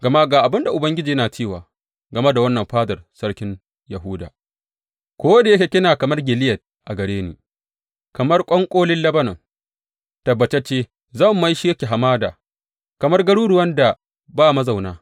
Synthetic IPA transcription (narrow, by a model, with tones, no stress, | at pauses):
ɡɐ˨ma˦ɡaː˨ʔa˨bɪ˦nda˨ʔʊ˨bɐ˦ŋɡʲɪ˦d͡ʒiː˨jɐ˦naː˨t͡ʃeː˦˨waː˨ | ɡɐ˨me˦da˨wɐ˦nːɐ˨mɸaː˦dɐ˨rsɐ˦ɽkʲɪ˦n | jɐ˨ɦuː˦da̰ː˨ | kʷoː˦da˨jɐ˦kʲe˨kʲɪ˦naː˨kɐ˨mɐ˦rɡʲɪ˨lɪ˦jɐ˨t̚ | ʔa˨ɡɐ˨ɽeː˦niː˨ | kɐ˨mɐ˦rkʷʼɔ˦ŋkʷʼoː˦lɪ˦nlɐ˦bɐ˦nɐ˨ŋ | tɐ˨bːɐ˨t͡ʃe˦t͡ʃeː˦ | zɐ˦˨mː˨ɐ˦jʃi˦jɐ˦kʲe˨ɦa˨maː˦da̰ː˨ | kɐ˨mɐ˦rɡɐ˦ɽuː˦ɽʊ˨wɐ˦nda˨ | baː˦˨mɐ˦za˨wnaː˦